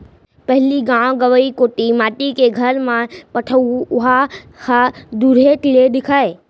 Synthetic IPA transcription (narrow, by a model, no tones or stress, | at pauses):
pɐɦɪliɡãw̃ɡɐʋəikoːʈimaːʈikeɡʱɐɾmãpɐʈʰəuʊɦa | ad̪uːɾeʈɪleɗ̪ɪkʰaːe